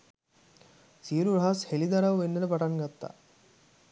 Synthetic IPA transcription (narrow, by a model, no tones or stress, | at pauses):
siːɾuɾɐɦɐshelid̪ɐɾɐʋʋenːenɐpɐʈɐnɡɐt̪ːa̰